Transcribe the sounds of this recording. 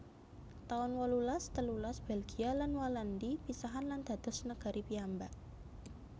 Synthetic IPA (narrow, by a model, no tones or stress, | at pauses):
t̪aʊnwɔlulast̪əlulasb̥elɡ̥ialanwalandipisaɦanland̪̥a̤d̪̥ɔ̤snəɡ̥a̤ɾʔipiambaʔ